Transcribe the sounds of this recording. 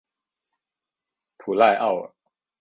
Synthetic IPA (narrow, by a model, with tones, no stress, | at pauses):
t̪ʰu˨˩la˥˧ɪʔa̰˥˩ʊə˩